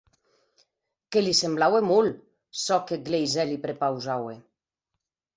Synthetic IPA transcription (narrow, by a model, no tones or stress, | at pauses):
kelisemblawemul | sɔkeɡlejzɛlipɾepawzawe